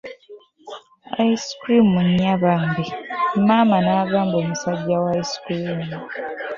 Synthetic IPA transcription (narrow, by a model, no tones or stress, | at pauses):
a̰iskɾimuɲːaβaŋbem̩mamanaːɡaːmboːmusaɟːawajskɾimu